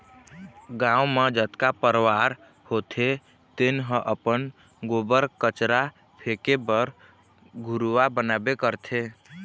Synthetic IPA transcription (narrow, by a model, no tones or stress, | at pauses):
ɡãũmed͡ʒət̪kapəɾʋaɾ | hot̪ʰe | t̪enɦə̃ʔəpən | ɡobəɾkət͡ʃɾa | pʰekebəɾ | ɡʱuɾuʋabənabekəɾt̪ʰe